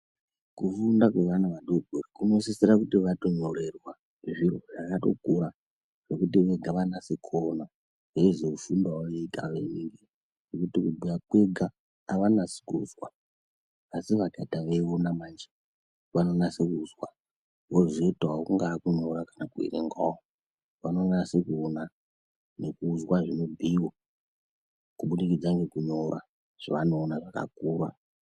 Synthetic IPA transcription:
kufundakwe̞ʋanaʋaɗobʱurikunoisesiɾakutiʋato̞ɲore̞rwa | ʐiroʐakato̞̰kuɾa | ʐ̥ekut̬iʋe̞ɡʱaʋanasekʰona | ɦeezeufundawaʋeiɡaʋeneŋɡe | ʐ̥ekutikubʱujakweɡʱaː | ʋanasi̥kṵzwaː | siʋadʱadʱaʋe̞ʋonamand͡ʒe | ʋano̞nasekuzwa̰ | woziotowakuŋɡaːkuɲo̞ɾakanakuḭɾḛŋɡao | ʋano̞nasekuuna | ne̞kuːzwaʐino̞bʱiwo | kuɓuɗikid͡zaŋɡe̞kuɲo̞ɾa̰ | ʐ̥aʋano̞ːnaʐaka̰kuːɾa̰

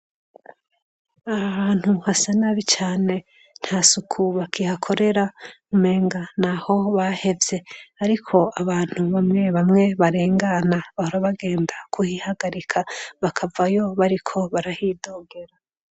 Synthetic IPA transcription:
aβaːn̥huhasanaβit͡ʃaːne̞ | n̥hasukʰuβakʰihakʰo̞ɾe̞ɾamume̞ːŋɡanaho̞βahe̞vje̞aɾikʰo̞aβaːn̥huβamŋe̞βamŋe̞βaɾe̞ːŋɡanaβahoɾaβaɡe̞ːndakʰuhihaɡaɾikʰaβakʰavajo̞βaɾikʰo̞βaɾahiːdoːɡe̞ɾa

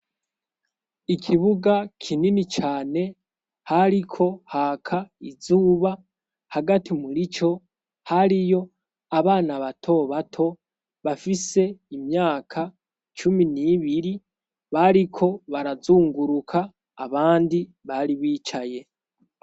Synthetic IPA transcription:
ikʰiβuɡakʰininit͡ʃaːne̞ | haɾikʰo̞hakʰaizuːβa | haɡatimuɾit͡ʃo̞ | haɾijo̞ | aβaːnaβatʰo̞βatʰo̞ | βafise̞imɲaːkʰa | t͡ʃuminiβiɾi | βaɾikʰo̞βaɾazuːŋɡuɾukʰaː | βaːndi | βaɾiβiːt͡ʃaje̞

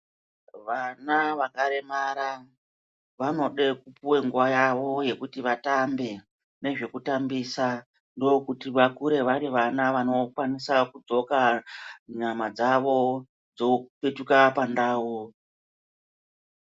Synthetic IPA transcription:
ʋanaʋakaɾe̞maɾa | ʋano̞ɗe̞kupuwe̞ŋɡuʋajaʋo̞je̞kutiʋatambe̞ | ne̞ʐe̞kutambisa | ndo̞kutiʋakuɾe̞ʋaɾiʋanaʋano̞kwanisakud͡zo̞ka | ɲamad͡zaʋo̞ | d͡zo̞pe̞tukapandaːwu

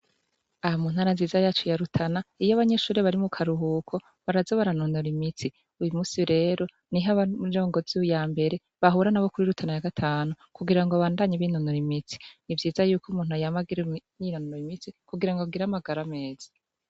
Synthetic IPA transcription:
ahamuːn̥haːɾanziːzajaːt͡ʃojaɾutʰanaijoaβaɲe̞ʃuːɾiβaɾimukʰaɾuɦukʰo̞ | βaɾazaβaɾanonoɾimit͡si | ujumuːsiɾe̞ːɾo̞ | niɦaβad͡ʒo̞ːŋɡo̞zujaːmbe̞ɾe̞ | βaɦuɾanaβokuɾiɾutʰanajaɡatʰaːnu | kuɡiɾaŋɡoβaːndaɲiβinonoɾimit͡si̥nivjiːzajuːkumuːnhuajamaɡiɾeniinononoimit͡sikuɡiɾaŋɡoɡiɾamaɡaɾame̞ːz̥ḁ

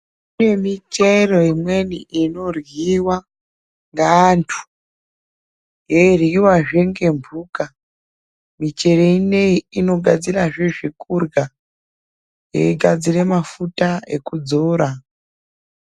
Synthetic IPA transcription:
ine̞mit͡ʃero̞imwe̞niʔino̞rwiwa | ŋɡaːntʰu̥ | jeiriwaʐe̞ŋɡe̞mbʱuːka | mit͡ʃe̞reine̞iino̞ɡʱad͡ziraʐiʐikurɡa | jḛiɡʱad͡zire̞mafutaḛkud͡zoːɾa

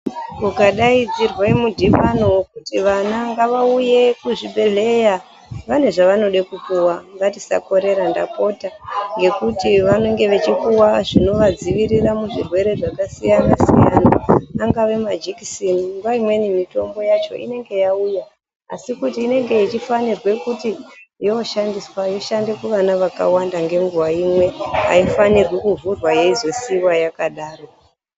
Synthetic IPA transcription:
kukaɗaid͡zirwemudʱipanokutiʋanaŋɡaʋauje̞kuʐibʱe̞ɮe̞ja | ʋane̞ʐaʋano̞ɗekukuwaŋɡatisa̰ko̞ɾe̞ɾanda̰po̞taŋɡe̞kutiʋano̞ŋɡe̞ʋet͡ʃikuwaʐino̞ʋad͡ziʋiɾiramuʐirwe̞ɾe̞ʐakasijanasḭja̰naːŋɡaʋe̞mad͡ʒiki̥siniŋɡuwaimwe̞nimito̞mbo̞jat͡ʃo̞̰ʔḭne̞ŋɡe̞jauja | a̰sikutiːne̞ŋɡe̞it͡ʃifanirwe̞kutijoʃandiswajo̞ʃande̞kuʋanaʋaka̰wandaŋɡe̞ŋɡuwaimwe̞a̰ifanirwekuvurwaje̞izesiwajakaɗaːro̞

